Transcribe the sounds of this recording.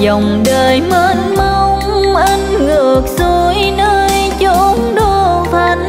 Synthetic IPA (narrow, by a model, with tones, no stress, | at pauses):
zɔ˨˩wŋ͡mɗəː˨˩jmə˧˦nmə˧wŋ͡mʔə˧nlɨ˨˩ək̚zo˧˦jnəː˧j | t͡ɕo˧˦nɗo˧˩t̪ʰa˧˩ŋ̟